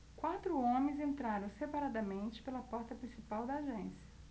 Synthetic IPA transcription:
kwat̪ɾʊõmẽzẽnt̪ɾaɾõw̃sepaɾad̪ɐmẽnt͡ʃɪ̥pelɐpɔɾt̪ɐpɾĩsipawd̪ɐːʒẽsiɐ

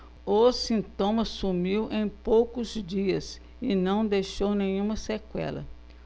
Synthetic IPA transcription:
osĩnt̪õmɐsumiwʔẽj̃powkʊzd͡ʒiɐs | ɪnɐ̃w̃d̪ejʃownẽɲũmɐsekwɛ̰lɐ̰

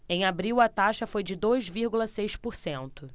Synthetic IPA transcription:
ẽj̃abɾiwɐt̪aʃɐfojd͡ʒɪd̪ojzviɾɡulɐsejʃpoɾsẽnt̪ʊ

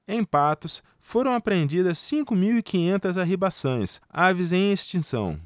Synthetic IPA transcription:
ẽj̃pat̪ʊs | foɾɐ̃w̃apɾẽnd͡ʒid̪ɐsːĩŋkʊmiwikĩɲẽnt̪ɐzaɦibasõj̃savɪzẽj̃est͡ʃĩsɐ̰̃w̃

